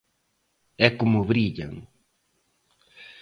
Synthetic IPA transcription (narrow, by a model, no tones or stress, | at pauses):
ɛkʊmʊβɾiʎa̰ŋ